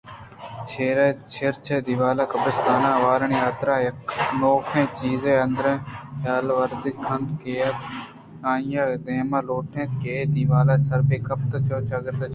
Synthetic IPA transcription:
t͡ʃʰeːɾeːt͡ʃʰeɾt͡ʃʰeːd̪iʋaːlaːkɐbəst̪ʰaːnãːʋaːɾəɳiːɦaːt̪ɾaːjɐknoːkʰẽːt͡ʃiːzẽːənd̪ɾẽːɦjaːlʋəɾd̪ɪkʰɐnd̪keːt̪ | ãːijãːd̪ẽːmãːloːʈʰẽːt̪keːd̪iʋaːlaːsɐɾbeːkɐp̚t̪ɐt͡ʃoːt͡ʃaɡəɾd̪a

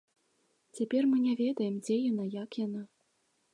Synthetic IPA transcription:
t͡sʲapʲɛrmɨnʲɛvʲɛd̪ɐjɛmd͡zʲɛjanajakjana

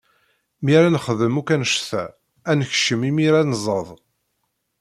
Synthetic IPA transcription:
miɾænχəðəmukænʃθæ | ænəçʃəmimiɾænzˤəðˤ

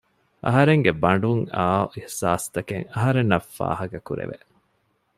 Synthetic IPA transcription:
ʔɐ̰ɦɐɾeŋɡebɐɳ̆ɖuŋaːihsaːst̪ɐkeŋɐɦɐɾenːɐfːa̰ːhɐkɐkuɾḛʋḛ

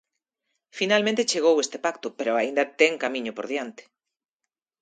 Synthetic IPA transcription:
finalmẽnt̪et͡ʃeɣ̞owest̪epakt̪ʊpeɾoaind̪at̪ɛŋkamĩɲʊpoɾðjant̪e̥

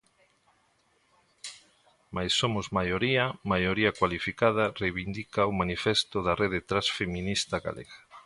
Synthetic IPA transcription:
majsːomʊzmajoɾiɐmajoɾiakwalifikað̞ɐrejβind̪ikaomanifest̪ʊðareðet̪ɾasfemĩnist̪aɣa̰lʔḛɣa

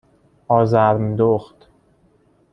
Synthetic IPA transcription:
ʔɒːzæɾmd̪oχt̪

